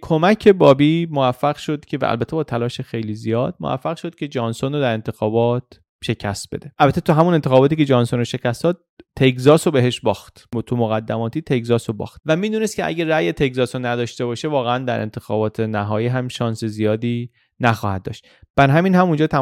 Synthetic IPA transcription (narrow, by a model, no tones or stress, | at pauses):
kʰomæcʰe̞bɒːbiːmovæfːæɣʃo̞d̪̥cʲʰevæ̰ʔæ̰lbæt̪ʰːe̞bɒːt̪ʰælɒːʃexe̞jlizijɒːd̪̥̚mo̰væ̰fːæɣʃo̞d̪̚cʲʰed͡ʒɒːnsonod̪æɾe̞nt̪ʰe̞xɒːbɒːt̪ | ʃe̞cʰæst̪̚b̥e̞̰d̪e̞ʔælbæt̪ʰːet̪uɦæmune̞nt̪eɒːbɒːt̪iːce̞d͡ʒɒːnsonoʃe̞cʰæst̪ɒːd̪̥̚t̪ʰekzɒːsobeɦe̞ʃbɒːxt̪t̪ʰumoɣæd̪ːæmɒːt̪ʰiːt̪ʰe̞kzɒːsobɒ̰ːxt̪̚væmiːd̪uːnest̪̚cʰeʔæ̰ɟʲæræjet̪ʰe̞kzɒsonːæd̪ɒːʃt̪e̞bɒːʃe̞vɒːɣeænd̪æ̰ɾʔent̪ʰe̞xɒːbɒːt̪ʰenæɦɒːjiːɦæmʃɒːnse̞zijɒːd̪iː | næxɒːhæ̰d̪̚ːɒ̰ːʃt̪ | b̥æɾɦæmiːnhæmund͡ʒɒːt̪ʰæ